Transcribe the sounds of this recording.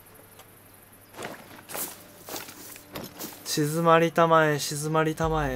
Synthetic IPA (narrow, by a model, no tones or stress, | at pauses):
ɕizɨmaɾʲit̪amaeɕizɨmaɾʲit̪amae